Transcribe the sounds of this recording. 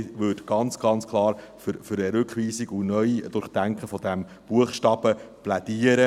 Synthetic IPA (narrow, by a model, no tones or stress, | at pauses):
ʋødɡ̥ɑnt͡sɡ̥ɑnt͡skʰlˠɑːɾ | fʏɾfʏɾəɾʉkχʋiːsiɡunœʏidʊɾχd̥æŋkχəfɔd̥̪æm | b̥uəχʃtɑb̥əplæd̪iəɾə